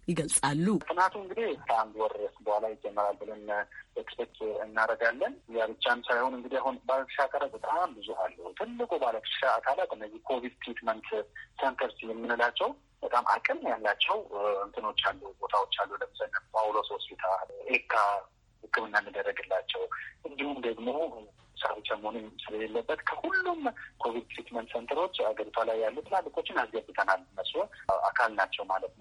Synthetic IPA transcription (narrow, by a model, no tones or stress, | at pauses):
jɪɡəlsʼalːut̪ʰɨnat̪ʰuɨŋɡɨd̪ekʰəand̪wɔɾɛsbəhʷalajɪd͡ʒɛmːəɾalbɨlənbəkpɛt̪ʰʼɨnːaɾəɡalːənjaβɨt͡ʃːansajhonɨŋɡɨd̪iaɦunbalət̪ʰə̥ʃakʼalat̪̚bət̪ʼambɨzuʔalːəhut̪ʰɨlːɨkʼubalət̪ʰɨ̥ʃaːkʰʼalat̪ʼɨnːəzːihkʰo̞vid̪st̪ʰɾet̪mənt̪sent̪ʰəɾsijɛmːɨnɨlat͡ʃːɛw | b̥ət̪ʼamʔa̰kʼɨmnjalːat͡ʃːɛwənt̪ʰɨno̞t͡ʃːalːubo̞t̪ʰawot͡ʃːalːuləməsanːənawulososbet̪ʰaʔekʰːa | hɨkʰːɨmɨnːamːɨd̪ərːəɡɨlːat͡ʃːɛwʔɨnd̪ihumd̪əɡmo̞ | sa̰fit͡ʃːaməhonusɨləlelːəbːət̪kʰəhulːumkʰo̞βid̪̚t̪ʰɾit̪mənt̪sent̪ʰəɾo̞t͡ʃːaɡəɾit̪ʰwalajːalːut̪ʰəlaɡːikʼo̞t͡ʃːɪnazɡafit̪ʰənalnːəsɔa̰kʰalnat͡ʃːɛwmalət̪nəw